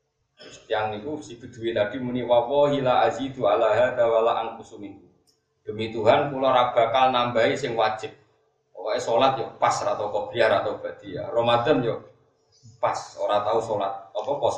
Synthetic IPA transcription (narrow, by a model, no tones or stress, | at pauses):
ʊst̪iaŋnik̪usib̥ə̤d̪̥ṳwit̪ad̥i̤muniwalːɔɦilaazid̪ualaɦad̪awalaʔankusumink̪u | d̪̥ə̤mit̪uɦankulɔɾab̥a̤kalnambaisɪŋwḁd͡ʒ̥ɪp̚ | ɔkaesolat̪̚jɔpasɾat̪ɔkɔb̥əjaɾat̪awb̥ad̪̥i̤ja̰rɔmad̪ənjɔ | paso̰ɾat̪ausolat̪̚ɔpɔkɔs